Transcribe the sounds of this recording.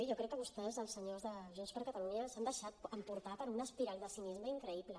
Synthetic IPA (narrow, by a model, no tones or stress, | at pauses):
ʒɔkɾɛkːəβust̪ɛzðəlˠsəɲozðəʒunspəɾkət̪əluɲəsand̪əʃat̪̚əmpuɾt̪apəɾunəspiɾald̪əsinizməiŋkɾəiβlə